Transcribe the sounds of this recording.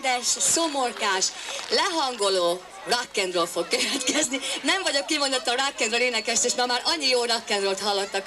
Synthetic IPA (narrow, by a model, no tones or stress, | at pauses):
d̪ɛʃso̞morkaːʃlɛɦɒŋɡo̞loː | rɒkːɛnd̪røːlfo̞kkøvɛt̪kɛzninɛɱvɒɟo̞kːimond̪ot̪ːɒrakːɛnd̪røːleːnɛkɛʃt̪eːʃmɒmaːɾʔɒɲːijoːrɒkːɛnd̪røːlt̪ɦɒlːo̞t̪ːɒk